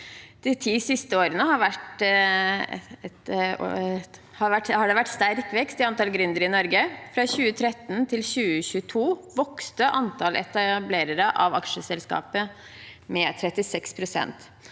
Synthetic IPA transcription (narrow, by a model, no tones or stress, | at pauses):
d̪̥ɛt̪ʰiːsɪst̪əoːɾənəhɑɾʋæʈ | ɛt̪ | hɑʋæʈhɑɖɛʋæʈːst̪æɾkʋɛkst̪ɪɑnt̪ɑlɡɾʏnd̪əɾɪnɔɾɡəfɾɑɕʉːət̪ʰɾɛt̪ːnt̪ʰɪlçʉːəçʉːət̪ʰuːʋɔkst̪əʔɑnt̪ʰɑlʔɛ̰t̪ɑbleːɾəɾəʔɑʋɑkʂəsɛlskɑ̰ːpə | mɛt̪ʰɾɛt̪ːɪsɛkspʰɾʊsɛ̰nt̪